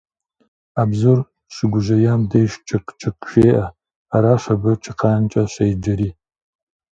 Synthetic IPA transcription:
aːbzur | ɕɪɡʷʊʒɐjaːmdɐjʃt͡ʃʰʼɐkʼt͡ʃʰɨkʼʃeːʔɐ | aɾaːɕɐbɨt͡ʃʰɨqʰɑːnt͡ʃʼɐɕejd͡ʒɐɾiː

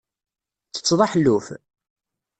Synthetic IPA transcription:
t͡sːə̥t͡sːðˤɑħlːuf

